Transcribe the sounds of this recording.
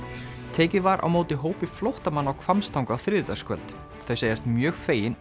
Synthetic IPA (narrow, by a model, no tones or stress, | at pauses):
t̪ʰɛːcɪvaɾʔa̰wmoːwt̪ɪɦoːwpɪflowht̪amanːawkʰvamst̪ʰawŋkaθɾɪða̰̥skvɛ̰lt̪ | θajseːjast̪mjœːɣfeːjɪn